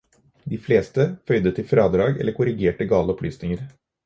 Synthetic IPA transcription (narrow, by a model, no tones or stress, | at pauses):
d̪iːfleːst̪əfœʏd̪ət̪ʰɪlfɾɑːd̪ɾɑːɡɛ̰lːəɾkʰʊɾɪɡeːʈəɡɑːləɔpʰlyːsnɪŋəɾ